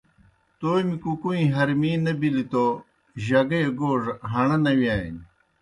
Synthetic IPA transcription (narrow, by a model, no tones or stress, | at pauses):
t̪oːmikukuĩɦɐɾmiːnɐbilit̪o | ʑɐɡɐjeɡoːʐɦɐɳɐnɐwiaːjḭn